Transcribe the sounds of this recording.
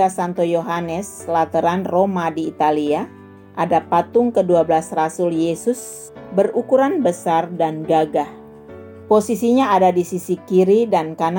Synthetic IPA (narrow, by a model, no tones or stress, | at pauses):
asant̪ojoɦanəs | lat̪əɾanromadiːt̪alia | ʔadapat̪ʊŋkəduabəlasrasʊljesʊs | bərukuɾanbəsardanɡaɡah | posisiɲaadadisisikiɾidankana